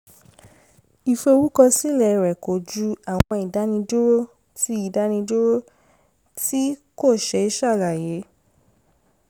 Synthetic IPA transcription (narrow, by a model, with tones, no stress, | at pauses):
i˨fe˧o˧wu˦kɔ˧si˦˨lɛ˨ɾɛ˨ko˨d͡ʒu˧a˨wɔ̃˧i˨da˨˦nĩ˧d͡ʒo˦ɾo˦ | ti˧˦i˦˨da˨˦nĩ˧d͡ʒo˦ɾo˦ | ti˦ko˦˨ʃɛ˧i˦ʃa˦˨la˨je˨˦